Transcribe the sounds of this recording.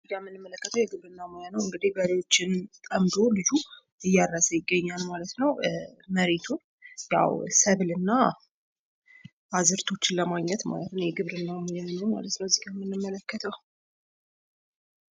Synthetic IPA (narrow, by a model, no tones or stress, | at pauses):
zɨɡamːɨnːɨmːələkːət̪ʰəwjɛɡɨβɾɨnːamojanəwɨŋɡɨd̪ibəlejwo̞t͡ʃːɪnt̪ʼəmd̪o̞lɨd͡ʒu | ɨjːaɾːasəjɪɡːəɲːalmalət̪nəwməɾet̪ʰun | ja̰wsəβlɨnːa | ʔazɨɾt̪ʰo̞t͡ʃːɪnləmaɡɲɛt̪ma̰lət̪nəwjɛɡɨβɾɨnːamojanəwma̰lət̪nəwzɨɡamːɨnːɨmːələkːət̪ʰəw